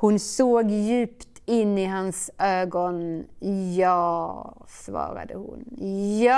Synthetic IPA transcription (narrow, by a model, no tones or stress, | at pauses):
hʊnsoːɡjʉ̟ːpt̪ʰɪnːɪɦansʔøːɡɔnjɑːsvɑ̰ːɾa̰d̪əhʊ̰njɑ